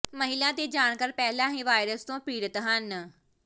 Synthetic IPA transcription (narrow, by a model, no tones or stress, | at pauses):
məɦɪlãːt̪eːd͡ʒaːɳ̃kəɾpɛːlãːɦĩːʋaːɪɾəst̪õːpɾiːɾət̪ɦən